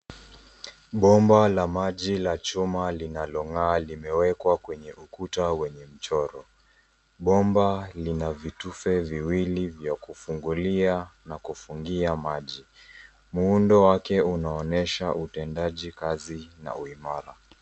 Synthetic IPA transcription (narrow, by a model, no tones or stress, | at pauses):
ɓɔmbalamaʄilat͡ʃumalinalɔŋaːlimɛwɛkwakwɛɲɛʔukutawɛɲɛm̩t͡ʃɔɾɔ | ɓɔmbalinavitufɛviwilivjakufuŋɡulianakufuŋɡiamaʄi | muundɔwakɛunaɔnɛʃaʔutɛndaʄikazina̰uimaɾa